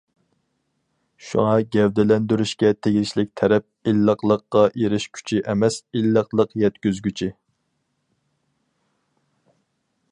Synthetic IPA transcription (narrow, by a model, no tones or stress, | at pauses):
ʃṵŋɑɡʲɛwd̪ɛlɛnd̪yɾyʃkʲɛt̪ʰeɡʲiʃlɪk̚ʲt̪ʰɛɾɛp̚ilːəqlˠəqːɑʔeɾɪʃkʲʰy̥t͡ʃʰiʔɛmɛsilːəqlˠəqjɛt̪kʲyzɡʲyt͡ʃʰi